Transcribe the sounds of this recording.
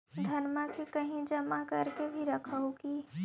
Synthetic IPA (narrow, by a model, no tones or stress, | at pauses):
d̪ʱənmakekəɦĩd͡ʒəmakəɾkebʱiɾəkʰəuki